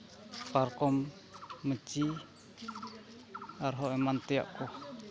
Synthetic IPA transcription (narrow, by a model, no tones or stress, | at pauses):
paɾkɔmː | ət͡ʃi | aɾɦɔʔɛmant̪ia̰ʔkɔ